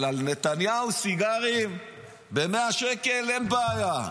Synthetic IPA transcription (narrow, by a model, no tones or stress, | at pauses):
lalne̞t̪anjausiɡaʁim | be̞meaʃeke̞lenbaːja